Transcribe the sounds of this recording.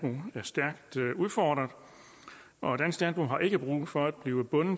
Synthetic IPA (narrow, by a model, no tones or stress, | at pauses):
bʁṵæɐsd̥æɐɡ̥̚d̥uðˠfɒːd̥ʁɐð̩ˠ | ʔɒ̽d̥æn̰sɡ̥lænb̥ʁṵɦɑ̈ʔe̝ɡ̥əb̥ʁṵːfɒ̽æd̥̚b̥liːʊəb̥ɔ̽n̩